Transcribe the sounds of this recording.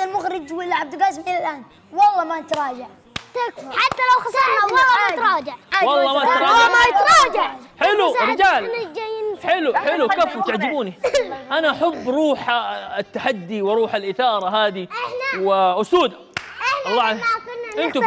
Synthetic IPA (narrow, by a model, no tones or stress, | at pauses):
almʊɣɾɪd͡ʒwɪlːʕab̚d̪ɪlɡɑsmʔɪlalʔaːn | wɑlˤːɑmanɪt̪ɑɾˤɑːd͡ʒaʕ | t̪akħat̪ːalawxɑsˤɑɑːɑt̪ɾˤɑːd͡ʒaʕwɑlˤːɑːmat̪ɾˤɑːamat̪ɾˤɑːd͡ʒaʕħɪluɾɪd͡ʒaːlnd͡ʒajnħɪluħɪlukeːfwt̪aʕd͡ʒɪbuːniʔanaʔaħabːɾˤuːħt̪ːaħad̪ːiwɪɾˤuːħalʔɪθɑːɾˤɑɦaːd̪iwɪʔʊsuːd̪a | ɑlˤːɑːʕaʔɪnt̪ʊ